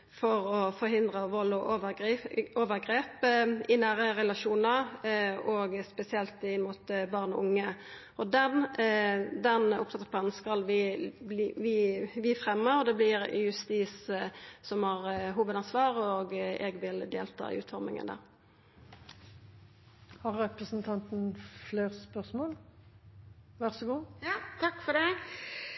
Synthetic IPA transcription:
fɔʁɔfɔɾɦɪnd̪ʁəʋɔlːʊʔoʋəɡoːʋəʁɡʁeːpɪnæːʁəʁɛlɑʃuːnɑɾɔɡspɛsɪɛlt̪ɪnmuːt̪bɑːʁnɔ̰ʊŋːə | ɔd̪ɛn | d̪ɛnʊpt̪ʰɑt̪ə̥pʰlɑːnn̩skɑlʋɪblːʋiːʋɪfʁɛmːəɾɔd̪ɛblɪɾjʉst̪iːssɔmhɑːʁɦuːʋəd̪ɑnsʋɑːʁɔɡɛːɡʋɪld̪ḛːlt̪ʰɑ̰ːɪ̰ʉ̰ːt̪fɔʁmɪ̰ŋə̰nd̪æ̰ːʁ | hɑɾːɛpʁəsn̩t̪ʰɑnt̪n̩fleːʁspœʁsmoːl | ʋæʁsɔɡuːt̪ʰɑkːfɔɖɛ

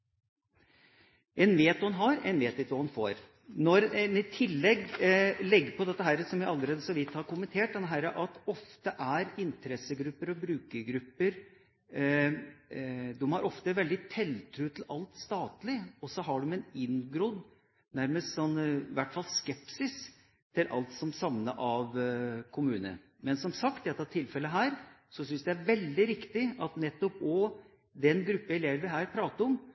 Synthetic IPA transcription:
ɛnʋeːt̪hɑnɦɑɾɛ̰nʋeːt̪ɪt̪ʋɑhɑnfo̰ːɾ | nɔɾnɪt̪ʰɪlːɛɡlɛɡːəpʰɔd̪ɛt̪ːəɦæːɾəsɔmjæɪɑlːəɾeːd̪əsɔʋɪt̪ːhɑɾkʊmənt̪ʰeːʈ̚d̪ɛnːəɦæɾəʔɑt̪ɔft̪əʔæɾɪnt̪ʰəɾɛsəɡɾʉpːəɾɔbɾʉːkəɡɾʉpːəɾ | d̪ɛmhɑɾʔɔft̪əʋɛld̪ɪt̪ʰɛlt̪ʰɾʉːt̪ʰl̩ɑlt̪st̪ɑːt̪lɪɔsɔɦɑɖʊmɛnɪnɡɾɔd̪ | næɾməst̪sɔnːʋæʈːfɑlskɛpsɪs | t̪ʰɪlʔɑ̰lt̪sɔmsɑʋnəʔɑʋkʰʊmʉːnə̰ | mɛnsɔmsɑkt̪d̪ɛt̪ːɑt̪ʰɪlfɛlːəɦæːɾ | sɔsʏnsd̪ɛæɾʋɛld̪ɪɾɪkt̪ɪɑt̪nɛt̪ːɔpɔ | d̪ɛnɡɾʉpːəɪleːʋəʋɪɦæːɾpʰɾɑːt̪əɾɔm

